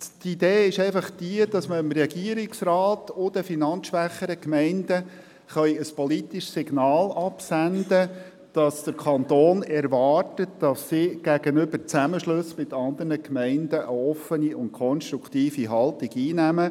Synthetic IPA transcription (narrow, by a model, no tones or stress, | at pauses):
t̪id̥̪eːɪʃɛɪfɑχd̥iədɑsməəmɾɛɡiəɾɪksrɑːtʊd̪əfinɑnt͡ssʃʋæχəɾəkmɛɪndə | χœʏəspɔlit̪iʃsɪɡnɑːlɑpsænd̪ə | d̥ɑsd̪̥əɾkʰɑnt̪oːnɛɾʋɑːrtətd̥ɑsːiɡ̥æɡ̥ənʏbəɾt͡sæməʃlɵsmɪt̪ɑnd̪ərnəkmɛɪndəʔəɔfəniʊntkʰɔnʃt̪ɾukʰtiːfiɦɑlt̪iɡiːnæmə